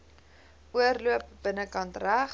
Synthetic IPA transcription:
uərluəp̚b̥ənəkɐntræχ

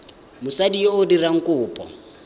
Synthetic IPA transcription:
mʊsadioʊdiraŋ̩kʼʊːpʼɔ̰

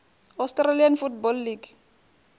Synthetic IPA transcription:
ɔstralianfutbɔlːiɡ

